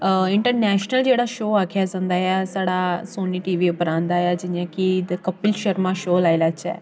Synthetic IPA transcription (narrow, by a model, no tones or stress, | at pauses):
ɪɳʈəɾnɛːʃnəld͡ʒeːɽaːʃoːaːkʰjazãːnd̪aːjasaːɽasoːniːʈiːʋiʊpəɾãːnd̪aːjad͡ʒɪjãkid̪kəpɪlʃəɾmãːʃoːlaːilaːt͡ʃɛ̰ː